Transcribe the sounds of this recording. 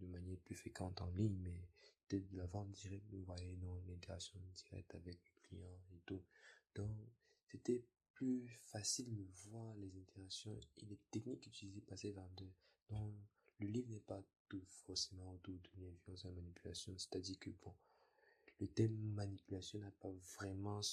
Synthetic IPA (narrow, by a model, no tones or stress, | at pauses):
d̪əmanjɛʁplyfχekɑ̃t̪ɑ̃liɲmɛə̥t̪ɛt̪̚d̪əlavɑ̃d̪iʁɛk̚t̪nũvwajɛ̃nɔ̃lɛ̃t̪eʁaksjɔ̃d̪iʁɛ̰k̚t̪avɛklɛklijɑ̃et̪ud̪̥ɔ̃k | set̪ɛ | plyfasild̪əvwaʁlɛzɛ̃t̪eʁaksjɔ̃ḭlɛt̪ɛknikːyt̪ilizepasevãd̪ɛ | d̪̥ɔ̃k | ləlivʁnɛpat̪ufɔʁsemɑ̃ot̪ud̪ənɛviɔ̃sɛ̃manipyla̰sjɔ̃sɛ̥t̪ad̪iʁkəb̥ɔ̃ | lət̪ɛmːanipylasjɔ̃napavʁɛmɑ̃